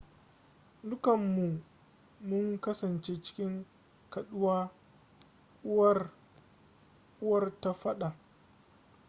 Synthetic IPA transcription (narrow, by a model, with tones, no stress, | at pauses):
dʊ˦kɐ˨mːu˨ | mʊ˦ŋkɐ˦sɐ˨nt͡ʃe˦t͡ʃɪ̥˦kʲɪ˦ŋ | kɐ˨ɗʊ˦waː˦ | ʊ˦wɐ˦r | kʼʊ˦wɐ˦rta˦ɸɐ˦ɗa˨ʔ